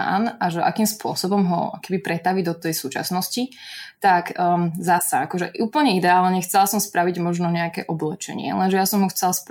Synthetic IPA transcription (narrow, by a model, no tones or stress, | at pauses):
a̰naʒɛʔa̰kiːmspʊɔsɔbɔmɦɔ̰a̰kɔ̥kɛbipɾɛt̪aʋid̪ɔt̪ɛjsuːt͡ʃa̰snɔscit̪akzasaakɔʒɛʔuːpl̩ɲɛid̪ɛaːlɲɛxt͡sɛlasɔmspɾaʋiɟmɔʒnɔɲɛakɛ̰ːʔɔblɛt͡ʃɛ̰ɲɪɛ̰lɛnʒɛjasɔmɦɔxt͡sɛlsp